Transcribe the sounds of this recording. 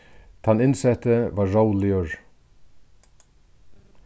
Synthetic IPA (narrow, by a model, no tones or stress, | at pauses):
t̪ʰanɪnsɛt̪əvaɾːawlɪəɹ